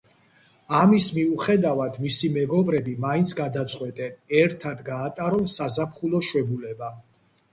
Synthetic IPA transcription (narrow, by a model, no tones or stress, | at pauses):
amismiuχɛd̪avad̪misimɛɡɔbɾɛbimaint̪sʰɡad̪at̪sʼqʼwɛt̪ʼɛnɛɾt̪ʰad̪ɡaːt̪ʼaɾɔlsazapʰχulˠɔʃwɛbulɛba